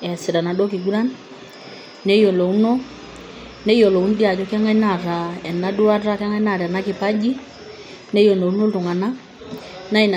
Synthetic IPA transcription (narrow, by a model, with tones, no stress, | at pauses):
ɛ˨sɪ˨ɾa˨na˨do˦ki˨ɡu˦ɾa˦n | nɛ˦jo˨lo˨u˦no˦ | nɛ˦jo˨lo˨u˦n˦di˦a˨t͡ʃɔ˦kɛ˦ŋa˦ɲna˦˨ɾa˨ɛ˨na˦du˦a˦ɾa˦kɛ˦ŋa˦ɲna˦˨ɾɛ˨na˦ki˨pa˦d͡ʒi˦ | nɛ˦jo˨lo˨u˦no˦tu˨ŋa˨na˦ | na˦i˨n˨